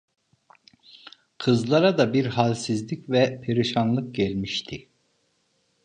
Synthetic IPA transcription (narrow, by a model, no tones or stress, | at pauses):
kʰɯzlˠaɾad̪abiɾɦalʲsizlʲicvɛpʰeɾiʃanlˠɯk̚ɟɛlʲmiʃt̪ʰi